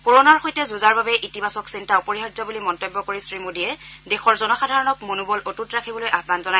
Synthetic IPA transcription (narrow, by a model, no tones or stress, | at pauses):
koɹonaɹxojtɛzuzaɹbabɛʔitibasɔksintʰaupoɹiɦadzɔbulimɔntobːɔkoɹisɹimodiɛdexɔɹzɔnɔxadʱaɹɔnɔkmonubɔlʔotutɹakʰibɔlojʔaɦbanzɔnaj